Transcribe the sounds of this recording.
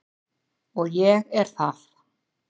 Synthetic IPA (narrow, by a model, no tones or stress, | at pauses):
ɔɣjɛɣɛɾ̥θað